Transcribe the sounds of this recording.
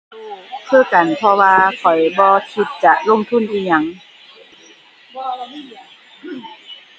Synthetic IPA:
kʰɤː˧˩˨ka˨˩npʰɔ˧waː˧kʰɔ˨˩jbɔː˧kʰi˧t̪̚t͡ɕa˧lo˧˥˨ŋt̪ʰu˧˥˨nʔiː˧ɲa˧˩ŋ

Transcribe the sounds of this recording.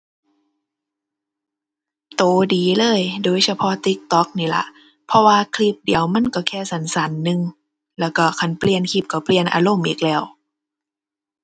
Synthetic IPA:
t̪oː˨˩˦diː˨˦lɤː˧˥˨jdoː˧˩˨jsa˧pʰɔ˧˦t̪i˧˦k̚t̪ɔ˧˦˥k̚niː˧˩la̰˧˦ | pʰɔ˧waː˧kʰli˧˥p̚di˨˦əwma˧˥˨nkɔ˧˩kʰɛː˧˩sa˨˦nsa˨˦nːɯ˧ŋ | lɛː˧˩wkɔ˧˩kʰa˧˩npli˧ənkʰi˧˩p̚ka˧˩pli˧˨ənʔa̰ː˧lo˧˥˨mʔiː˨˩k̚lɛː˧˩w

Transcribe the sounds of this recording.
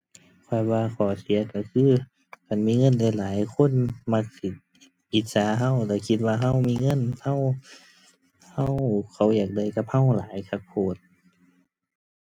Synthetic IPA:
kʰɔː˧˩jwaː˧kʰɔː˨˩si˨˦ɐka˧˩kʰɯː˧˥˨ | ka˨˩nmiː˧˥˨ŋɤ˧˥˨nla˧˩˨laː˨˦jkʰo˧˥˨nma˧k̚si˧˩ | ʔi˧˦t̪̚saː˨˦ɦa˧˥˨wlɛː˧˩kʰi˧t̪̚waː˧ɦa˧˨wmiː˧˥˨ŋɤ˧˥˨nha˧˥˨w | ha˧˨wkʰa˧˩wjaː˨˩k̚da˧˩jka˧p̚ha˧˨wlaː˨˦jkʰa˧˩k̚pʰoː˧˩t̪̚

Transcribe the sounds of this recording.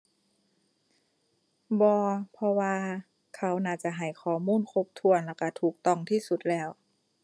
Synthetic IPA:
bɔː˧pʰɔ˧waː˧ | kʰa˦˥wnaː˧˩t͡ɕa˧˩ɦa˨˩jkʰɔː˨˩˦muː˧˥˨nkʰo˧˥p̚t̪ʰu˧˨ənlaː˧˩wka˧˩t̪ʰuː˨˩k̚t̪ɔ˧˩ŋt̪ʰiː˧˥˨su˧˩t̪̚lɛː˧˥˩w

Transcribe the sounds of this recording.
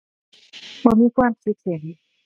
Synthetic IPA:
bɔː˧˥miː˧˥kʰwaː˧˨msi˧˦˥k̪̚se˨˩˦n

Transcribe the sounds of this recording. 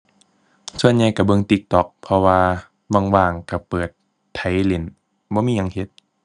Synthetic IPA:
su˧˨ənɲa˧˨jka˧˩bɤ˧˨ŋt̪i˧˦k̚t̪ɔ˨˩k̚pʰɔ˧waː˧ | ba˧˩˨ŋwaː˧˩ŋka˧˩pɤː˨˩t̪ʰː | a˨˦jle˨˧˦n | bɔː˧˦miː˧˨ɲa˧˨ŋhe˧˦t̪̚

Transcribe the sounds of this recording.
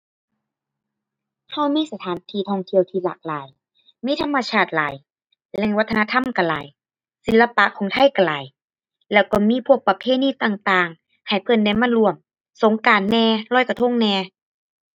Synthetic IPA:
ha˧˩wmiː˧˥˨sa˧t̪ʰaː˨˦nt̪ʰiː˧˩t̪ʰɔː˧˩ŋt̪ʰi˧˩əwt̪ʰiː˧la̰ː˨˩k̚la̰ː˨˦j | miː˧˥˨t̪ʰa˧˥˨mːa˧t͡ɕʰaː˧˩t̪̚la̰ː˨˦j | lɛ˧˩ŋwa˧˦t̪ʰːna˧t̪ʰa˧˥˨mka˧˩la̰ː˨˦j | si˨˦la˧pa˧˨kʰɔː˨˦ŋt̪ʰa˧˨jka˧˩laː˨˦j | lɛː˧˩wkɔː˧˩miː˧˥˨pʰu˧˩ək̚pa˧pʰeː˧˥˨niː˧˥˨t̪aː˨˩ŋt̪aː˧˨ŋ | ha˨˩jpʰɤ˧˩nda˧˩jmaː˧˥˨lu˧˩əm | so˨˦ŋkaː˨˦nːɛː˧lɔː˧˩jka˧˩t̪ʰo˧˥˨ŋnɛː˧

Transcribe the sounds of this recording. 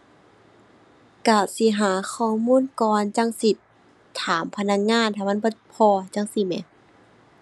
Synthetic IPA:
ka˧˩si˧˦ɦaː˨˦xʰɔː˧˩muː˧˥˨nkɔː˧˨nt͡ɕa˧˨ŋsi˧˦t̪ʰː | aː˨˦mpʰa˧na˧˥k̚ŋaː˧˥˨nt̪ʰaː˧˩ma˧˥˨bɔː˧˦pʰɔː˧t͡ɕa˧˥˨ŋsi˧mɛ̰˨˧˦

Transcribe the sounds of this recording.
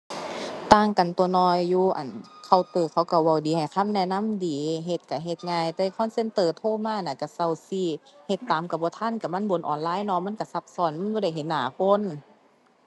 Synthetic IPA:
t̪aː˧˩ŋka˨nt̪u˧ənɔː˧jːuː˧ʔa̰˨˩nkʰa˧˩wt̪ɤː˧˩kʰa˧˦wka˧˩wa˧˩wdiː˨˦ha˨˩jkʰa˧˥˨mnɛ˧˩na˧˥˨mdiː˨˦ɦe˧˦t̪̚ka˨˧˩ɦe˧˦t̪̚ŋaː˧˨jt̪ɛː˧˩kʰɔː˧˥˨nse˧˨nt̪ɤː˧˩t̪ʰoː˧˥˨maː˧˥˨na˧˩ka˧˩sa˧˩wsiː˧˩he˧˦t̪ːaː˨˦mka˧˩bɔː˧˦t̪ʰa˧˥˨nka˧˩ma˧˥˨nbo˨˦nʔɔ̰ː˨nlaː˧˥˨jnɔ˧˨ma˧˥˨nka˧˩sa˧p̚sɔː˧˩nma˧˥˨nbɔː˧˦da˧˩jɦe˨˦nːaː˨˦kʰo˧˥˨n

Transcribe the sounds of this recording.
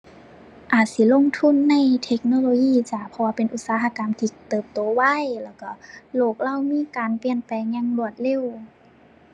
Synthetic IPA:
ʔaː˨˩t̪̚si˧˩lo˧˥˨ŋt̪ʰu˧˥˨nːa˧˩˨jt̪ʰe˧˦˥k̚noː˧˨loː˧jiː˧˨t͡ɕa˧˩pʰɔ˧aː˧pe˨nʔu˧˩t̪̚saː˨˧˦ɦa˧ka˨˦mt̪ʰiː˧t̪ɤː˨˩p̚t̪oː˨˩˦wa˧˥˩jlɛː˧˩wka˧˩loː˧˩k̚la˧˥˨wmiː˧˥˨kaː˨npi˧˨ənpɛː˨˩ŋɲa˧˥˨ŋlu˧˩ət̪̚le˧˥˨w

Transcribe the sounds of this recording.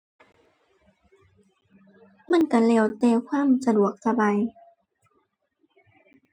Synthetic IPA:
ma˧˥˨nka˧˩lɛː˧˩wt̪ɛː˧kʰwaː˧˥˨msa˧du˨˩ək̚sa˧baː˨j

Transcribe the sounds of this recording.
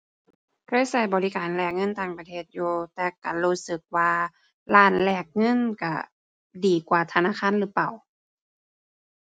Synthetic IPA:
kʰɤː˧˥˨jsa˧˩jbɔː˨li˧˥kaː˨˩nlɛː˧˩k̚ŋɤ˧˥˨nt̪aː˧˩ŋpa˧t̪ʰeː˧˩t̪̚juː˧t̪ɛː˧˩ka˨˩luː˧˩sɯ˧˦k̚waː˧ | laː˧˩˨nlɛː˧˩k̚ŋɤ˧˥˨nka˧˩ | diː˨˩kwaː˧˩t̪ʰa˧naː˧˥˨kʰaː˧˥˨nlɯː˧˦pa˨˩˨w

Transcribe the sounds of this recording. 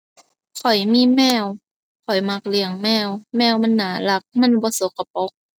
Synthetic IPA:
kʰɔ˨˩jmiː˧˥˨mɛː˧˩˨w | kʰɔ˨˩jma˧˦k̚li˧˩əŋmɛː˧˩˨wmɛː˧˥˩wma˧˥˨nːaː˨˩˦la˧˦k̚ma˧˥˨nbɔː˧˦so˨˦kʰːa˧po˧˦k̚

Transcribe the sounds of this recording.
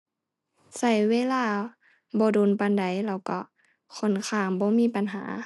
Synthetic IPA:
sa˧˩jweː˧˨laː˧˨ | bɔː˧˦duː˧˨npa˧nda˨˦jlɛː˧˩wkɔ˧˩ | kʰo˧˥˨nkʰaː˧˩mbɔː˧˦miː˧˥˨pa˨nɦa̰ː˨˦

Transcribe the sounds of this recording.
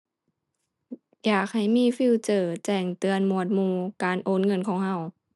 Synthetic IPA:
jaː˨˩k̚ha˨˩jmiː˧˥˨fiː˧˨wt͡ɕɤː˧˩t͡ɕɛː˧˩ŋt̪ɯ˨˧ənmu˧˨ət̪̚muː˧kaː˨nʔoː˧˥˨nŋɤ˧˥˨nkʰɔː˧˦ŋha˧˨w

